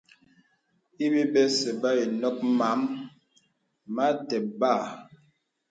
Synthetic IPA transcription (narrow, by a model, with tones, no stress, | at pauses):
i˦bi˦bɛ˦sɛ˨ba˦i˨nɔ˦k̚ma˨˦m | ma˦tɛ˨ba˦˨